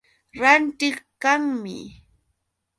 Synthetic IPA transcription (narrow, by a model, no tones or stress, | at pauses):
ɾant̪ɪχkaŋmɪ̰